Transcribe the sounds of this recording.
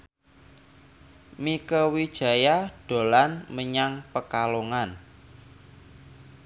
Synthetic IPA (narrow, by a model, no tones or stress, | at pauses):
mikəwid̥ʒ̥ä̤jaɖ̥o̤lanməɲaŋpəkaloŋan